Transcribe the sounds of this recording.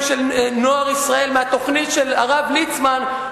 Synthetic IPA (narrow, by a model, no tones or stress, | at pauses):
ʃelnoaʁisʁae̞lmeat̪oχnitʃela̰ʁavlit͡sman